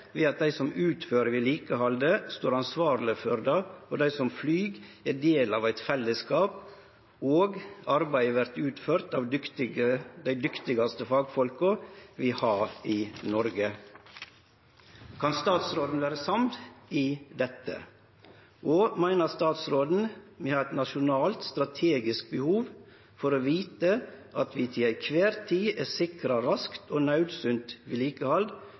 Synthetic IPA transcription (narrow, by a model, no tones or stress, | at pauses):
ʋiːɑt̪̚d̪æɪsɔmʉːt̪føːɾəʋɪːliːkəhɑld̪əst̪oːɾɑnsʋɑːɾlɪføɾd̪ɑːod̪æɪsɔmflyːɡæːd̪eːlɑːʋæɪt̪fɛlːəskɑːp̚ | oːɡɑɾbæɪʋæɾt̪ʉːt̪føːɾt̪ɑːʋ̪ | d̪æɪd̪ʏkt̪ɪɡɑst̪əfɑːɡfɔlkʊʋɪːhɑːɾiːnɔɾɡə | kʰɑnst̪ɑːt̪sɾoːd̪n̩ʋæːɾəsɑmd̪iːd̪ɛt̪ːə̰ | ʔoːmæɪnəɾst̪ɑːt̪sɾoːd̪n̩mehɑːɛt̪nɑʃʊnɑːlt̪st̪ɾɑt̪ʰeːɡɪsk̚bəhuːʋ | fɔɾoːʋiːt̪əʔɑt̪ʰʋiːt̪ʰɪlæɪkʰʋeːɾt̪ʰiːæsɪkɾɑɾɑskt̪oːnɑʉd̪sʉnt̪ʋiːliːkəhɑld̪